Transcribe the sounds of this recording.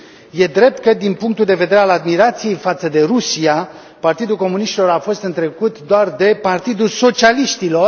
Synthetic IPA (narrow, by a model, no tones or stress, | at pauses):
je̞d̪ɾe̞p̚t̪̚kəd̪inpuŋk̚t̪uld̪e̞ve̞d̪e̞ɾealad̪miɾat̪sije̞jfat̪səd̪e̞ɾusia | part̪id̪ulko̞muniʃt̪ilo̞ɾafo̞st̪ɨnt̪ɾe̞kut̪d̪oard̪e̞part̪id̪ulso̞t͡ʃialiʃt̪ilo̞r